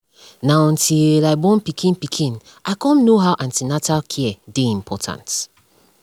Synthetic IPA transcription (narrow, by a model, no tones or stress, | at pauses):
naɔ̃ntʰilaɪbɔ̃npikʰĩnpikʰĩn | aɪkɔ̃nːoɦawʔãntinatalkʰiɛdeĩmpʰɔtʰã̰nt